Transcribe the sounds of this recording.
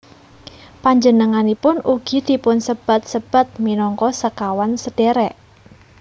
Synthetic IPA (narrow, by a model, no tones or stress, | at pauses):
paɲd͡ʒənəŋanipʊnuɡ̥i̤d̪̥i̤pʊnsəb̥a̤t̪̚səb̥a̤t̪̚minɔŋkɔsəkawansəd̥eɾɛʔ